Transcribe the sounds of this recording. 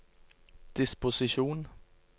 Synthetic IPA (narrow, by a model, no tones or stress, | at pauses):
d̥ispo̝siɕo̝̰ːn